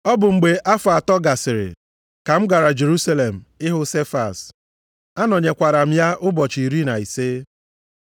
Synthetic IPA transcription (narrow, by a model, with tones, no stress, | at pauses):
ɔ˦bʊ˨ŋ͡m̩˨ɡ͡be˨ʔa˦fʊ˨a˨tɔ˦ɡa˨sɪ˨ɾɪ̰˨ | ka˨m̩˦ɡa˨ɾa˨d͡ʒe˨ɾu˦sa˦le˨m̩˨ɪ˦ɦʊ˦se˦fa̰˨s | a˦nɔ˨ɲe˨kʷa˨ɾa˨m̩˦ja˦ʔʊ˦bɔ˨t͡ʃi˨i˨ɾi˦na˨i˨se˦